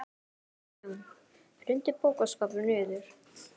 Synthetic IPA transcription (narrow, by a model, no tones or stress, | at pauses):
m | fɾʏnt̪ɪpoːwkaskaːpvʏɾnʏːðʏɾ̥